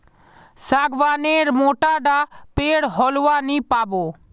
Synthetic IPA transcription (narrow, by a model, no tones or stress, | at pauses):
saːɡʋaːneːɾmoːʈaːɖaːpeːɽɦɔːlʋaːnĩːpaːboː